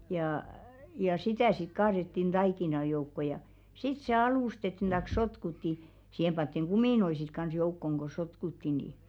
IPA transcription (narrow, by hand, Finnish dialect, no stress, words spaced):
jɑˑ jɑ sitæˑ sit kɑːɾetːin d̥ɑikinɑ joukːo jɑ sit se ɑlustetːin d̥ɑĭk sotkutːi siːhem pɑntːiŋ ɡ̊umiˑnoi sit kɑns joukːoŋ ko sotkutːi ni